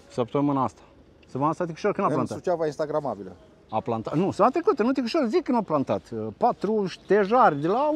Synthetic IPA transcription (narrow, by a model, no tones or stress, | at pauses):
səpt̪omɨnaast̪ḁ | səmɨnast̪at̪̬ʲiku̥ʃoɾkɨnalanaut͡ʃavainst̪aɡɾamabilə̰ | aplant̪anusəvat̪ɾekut̪ənut̪ʲikuʃoɾzikɨnaplant̪a̰t̪pat̪ɾuʃt̪eʒarʲd̪ela